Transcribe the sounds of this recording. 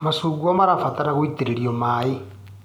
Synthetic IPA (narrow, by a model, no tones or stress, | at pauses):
masuɡwamaɾafataɾaɣwiteɾeɾiɔmae